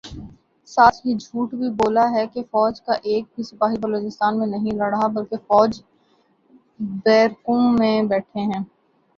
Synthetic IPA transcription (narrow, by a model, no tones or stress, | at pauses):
saːt̪ʰjid͡ʒʱuːʈbʱiboːlaɦɛkefɔːd͡ʒkaʔeːk̚bʱisɐpaːɦibɐloːt͡ʃɪst̪aːnmẽnɐɦĩlɐɽɦabɐlkefɔːd͡ʒ | bɛːɾkõmẽbɛːʈʰeɦɛ̃ː